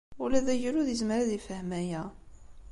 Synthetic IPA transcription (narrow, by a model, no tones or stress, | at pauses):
ʊlæðæjəluðəzməɾaðifəhmæjæ